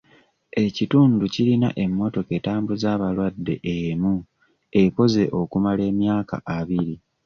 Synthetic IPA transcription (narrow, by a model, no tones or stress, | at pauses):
e̞cituːnducilina̰ʔe̞mːo̞to̞ke̞taːmbuzaːβalwadːe̞̰ʔemu | e̞ko̞ze̞ʔokumale̞ːmjaːka̰ʔaβiɾi